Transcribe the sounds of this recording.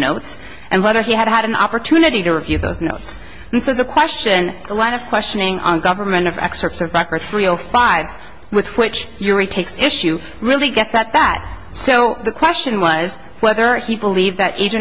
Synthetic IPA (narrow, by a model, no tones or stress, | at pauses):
noʊts | ʔɨ̃nwɛðə˞iɨɾ̚ɨɾɨ̃n̩ɑ̰pə˞tʰʉnɨɾiɾɨɹivjʉðo̰ʊznoʊts | n̩soʊðɨkʰw̥ɛst͡ʃɨ̃nðəlãɪ̃nʌv̥kʰw̥ɛst͡ʃɨnɪ̃ŋʔə̰̃nɡʌvə˞mɨ̃ɾ̃ʌvɛ̰ksə˞tsʌvɹɛkə˞d̪̥̚θɹioʊfaɪv | wɨðwɪt͡ʃjʊɹitʰeɪksɪʃʉ | ɹɪlˠiɡɛtsɨt̪̚ðæt̚ | soʊðɨkʰw̥ɛst͡ʃɨ̃nwʌz | wɛðə˞ibəlivðɨɾʔḛɪd͡ʒɨ̃n